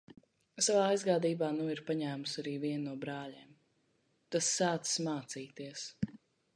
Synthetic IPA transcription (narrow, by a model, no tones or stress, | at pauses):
savaːajzɡaːd̪iːbaːnuiɾpaɲæːmusaɾiːviɛnːuɔbɾaːleːm | t̪asːaːt̪ssmaːt̪siːt̪iɛəs